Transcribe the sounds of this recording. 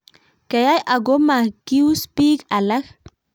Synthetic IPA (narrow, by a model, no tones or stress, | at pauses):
kajajʔaɡomakiwspikalax